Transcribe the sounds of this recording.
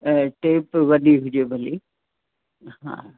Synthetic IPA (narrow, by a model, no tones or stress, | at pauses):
ʈeːpʋɐɗiɦʊd͡ʑebʱɐli | ɦã̰ː